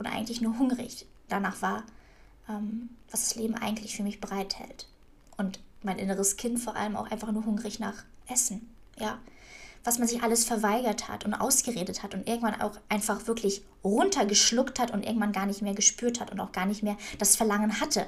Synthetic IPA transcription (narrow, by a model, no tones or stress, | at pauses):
ʔʊntʔa̰ɪɡŋ̩tlɪçnuːɐɦʊŋʁɪ̰ç | d̥anaːχv̥aːɐ | ʔɛːmv̥asd̥ḁsleːbm̩ʔa̰ɪɡŋ̩tʰlɪçfyːɐmɪçb̥əʁaɪthɛ̰lt | ʔʊntmaɪnʔɪnəʁ̞əskʰɪntfoːɐʔa̰ləma̰ʊxʔa̰ɪnfaχnuːɐɦʊŋʁɪçnaːχʔɛsn̩ | jaː | v̥asmanzɪçʔaləsfɛɐvaɪɡɐtha̰tʊntʔa̰ʊsɡ̥əʁeːdəthatʊntʔɪɐɡŋ̩tv̥ana̰ʊxʔaɪnfaχv̥ɪɐkʰlɪç | ʁʊntʰɐɡəʃlʊkthatʊntʔɪ̰ɐɡŋ̩tv̥anɡaːɐnɪçtmeːɐɡəʃpyːɐthatʊntaʊxɡ̥aːɐnɪçtmeːɐd̥asfɛɐlaŋənhatʰə